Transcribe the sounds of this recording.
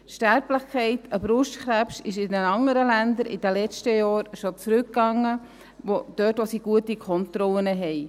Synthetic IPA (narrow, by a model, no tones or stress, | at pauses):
ʃtæɾpləχkʰɛɪtəbɾʊʃtkɾæpʃɪʃɪnɛnɑŋːəɾəlænd̪əɾʔɪ̰d̥̪əlɛt͡ʃtəjɑːɾʃot͡sɾʉkːɑŋːə | ʋod̪̥øːtʋosiɡ̥uətikʰɔnt̪ɾɔlənəɦɛj